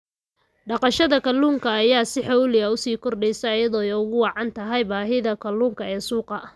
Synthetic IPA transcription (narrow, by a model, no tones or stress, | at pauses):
ɖɑqɑʃɐðɐkɐlːuːŋkʰɐːjaːsɪħɔwlɪɐʊsiːkʰɔrɖɛjsɐjɐjɐðɔːɛjʊɣʊwɑʕɑnt̪ʰɐɦɐjbaːɦɪðɐkʰɐlːuːŋkʰɐɛːsuːqɑ